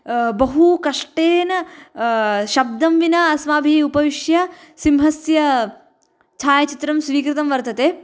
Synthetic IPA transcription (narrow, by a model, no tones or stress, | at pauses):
bɐɦukɐʂʈeːnɐ | ʃɐb̚d̪ɐmʋinɐɐsmaːbʱiupɐʋiʂjɐsimɦɐsjɐ | t͡ʃʰaːjɐt͡ʃit̪ɾɐmsʋiːkɾit̪ɐmʋɐɾt̪ɐt̪eː